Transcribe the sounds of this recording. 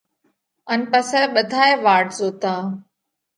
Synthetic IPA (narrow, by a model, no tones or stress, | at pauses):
ənpəsɛːɓəd̪ʱaːeʋaːɾʈzoːt̪ãː